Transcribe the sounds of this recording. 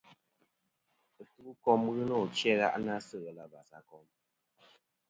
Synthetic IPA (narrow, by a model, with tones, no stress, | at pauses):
ɨ˨tu˦u˦kɔ˦mɣɨ˦nɔ˦˨t͡ʃjɛ˦ɣa̰˦˨ʔna˦sɨ˦˨ɣɛ˨la˨ba˨sa˦kɔ˦m